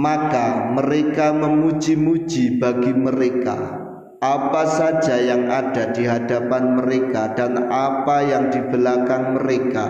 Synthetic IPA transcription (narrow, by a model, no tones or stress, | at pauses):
makaməɾekaməmud͡ʒimu̥d͡ʒibaɡiməɾeka̰ | apasad͡ʒajaŋad̥adiɦadapanməɾekadanapajaŋdibəlakanməɾeka